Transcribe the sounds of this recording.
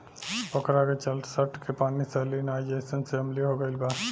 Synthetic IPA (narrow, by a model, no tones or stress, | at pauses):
pəkɾaket͡ʃəlsəʈkepanisəlinajd͡ʒesənseɦəmliɦoɡəɪlba